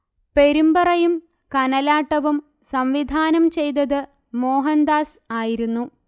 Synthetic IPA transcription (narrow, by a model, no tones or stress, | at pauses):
pe̞ɾumbɐrɐjum | kɐnɐlaːʈːɐʋum | sɐmʋid̪ʱaːnɐmt͡ɕe̞jt̪̬ɐðɨ | mo̞ːɦɐnd̪aːsaːjiɾunːu